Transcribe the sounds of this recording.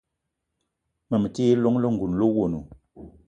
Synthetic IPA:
mə˨mə˨ti˦jlo˦ŋlo˦ŋ̩˨ɡu˨n˨lo˦wo˨nu˨

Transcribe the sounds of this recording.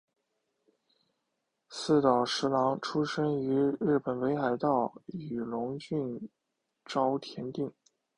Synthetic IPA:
sɹ̩˥˩t̪ɑ˨˩ʊʂɻ̩˧˥lɑ˧˥ŋʈ͡ʂʰu˥ʂɤ˥ŋy˧˥ɻɻ̩˥˩pə˨˩nwe˧˥ɪxa˨˩ɪt̪ɑ˥˩ʊy˨˩lʊ˧˥ŋt͡ɕy˥˧n | ʈ͡ʂɑ˥ʊt̪ʰjɛ˧˥nt̪i˥˩ŋ

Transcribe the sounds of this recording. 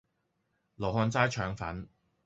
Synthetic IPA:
lo˨˩ɦɔː˧nt͡saː˥jt͡ʃʰœː˨˥ŋfɐ̰˨˥n

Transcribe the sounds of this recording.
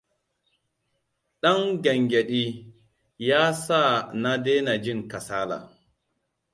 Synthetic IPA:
ɗɐ˦ŋɡɐ˨ŋɡʲɛ˨ɗiː˦ | jaː˦sa˦˨na˦deː˦na˨d͡ʒɪ˦˨ŋka˨saː˦la̰˨

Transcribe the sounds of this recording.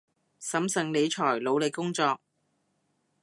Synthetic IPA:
sɐ˨˥msɐ˨ŋle˨˧jt͡ʃʰɔː˨˩jlo˨˧wle˨˧kːʊ˥ŋt͡sɔː˧k̚

